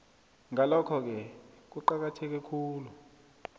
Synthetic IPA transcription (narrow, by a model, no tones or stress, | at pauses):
ŋalɔkʰɔk̬ɛk̬uǃak̬atʰɛk̬ɛkʰuːlu